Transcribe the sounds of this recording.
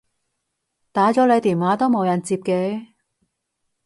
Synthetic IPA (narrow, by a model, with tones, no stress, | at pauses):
t̪aː˨˥t͡sɔː˨˥le˨˧jt̪iː˨˩nwaː˨˥t̪o˥wmo˨˧wjɐ˨˩nt͡siː˧p̚kɛː˧